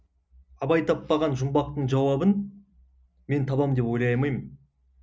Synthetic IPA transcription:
ɑbɑjt̪ʰɑpːɑʁɑnʒʊmbɑq̚t̪əɴʒɑwɑbən | me̞nt̪ʰɑbɑmd̪e̞pojlˠɑjmɑjmən

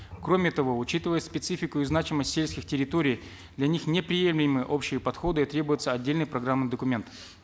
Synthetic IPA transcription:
kɾomʲɪt̪ɐvo̞ʊt͡ɕit̪ɨvəjʊt̪spʲɪt̪sɨfʲɪkʊɪznat͡ɕɪməsʲtʲsʲelʲskʲɪxtʲɪɾʲɪt̪oɾʲɪj | d̪lʲɐnʲixnʲɪpɾʲɪjemlʲɪjmɨjəʔo̞pɕɪjəpɐt̪xo̞d̪ɨit̪ɾʲe̞bʊjʊt̪səɐdʲːelʲnɨjpɾɐɡɾamnɨjd̪əkʊmʲe̞nt̪

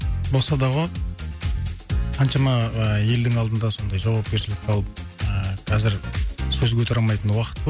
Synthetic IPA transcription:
bo̞lˠsɑd̪ɑʁo | qʰɑnʃɑmɑəje̞ld̪ɪŋɑlˠd̪ənd̪ɑso̞nd̪ɑjʒɑwɑp̚kʲe̞ɾʃɪlɪk̚ʲʰɑlˠəp̚əqʰɑzɪɾsɵzɡʲet̪ʰɾɑmɑjt̪ənwɑqə̥t̪p̪o

